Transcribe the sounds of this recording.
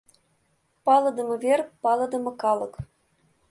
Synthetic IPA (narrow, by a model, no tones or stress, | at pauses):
pɑlˠɤ̆d̪ɤ̆mɤ̆vʲerpɑlˠɤ̆d̪ɤ̆mɤ̆kɑlˠɤ̆k